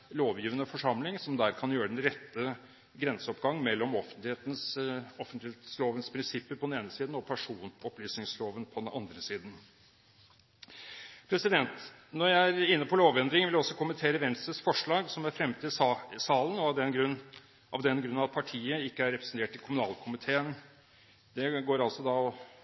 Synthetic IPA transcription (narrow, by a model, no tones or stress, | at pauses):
loːʋjiːʋənəfɔʂɑmlɪŋsɔmd̪æɾkʰɑnjøːɾəd̪ɛnɾɛt̪ːə | ɡɾɛnsəɔpɡɑŋːmɛlːɔmɔfənt̪lɪheːt̪n̩sɔfənt̪ɪet̪sloːʋənspʰɾɪnsɪpːəɾpɔd̪ɛneːnəsiːd̪n̩ɔpʰæʂuːnɔplyːsnɪŋsloːʋənpʰɔd̪ɛnɑnd̪ɾəsiːd̪n̩ | pʰɾɛsɪd̪ɛnt̪ | nɔɾjæɪæɾɪnːəpʰɔloːʋɛnd̪ɾɪŋʋɪljæɔsːɔkʰʊmənt̪ʰeːɾəʋɛnst̪ɾəsfɔʂɭɑːɡsɔmæɾfɾɛmːt̪ʰiːsɑːlənɔɑd̪ɛnɡɾʉ | ʔɑ̰ʋd̪ɛnɡɾʉnːɑɑt̪pʰɑʈʰiːəɪkːəæɾːɛpɾɛsən̩t̪ʰeːʈ̪ːʰɪlkʰʊmʉnɑːlkʰʊmɪt̪ʰeːən | d̪̥ɛɡoːɾɑlsɔd̪ɑɔ